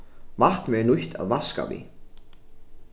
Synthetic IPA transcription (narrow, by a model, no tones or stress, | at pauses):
vaht̪mɛnuht̪ʰa̰ðvaska̰vḭ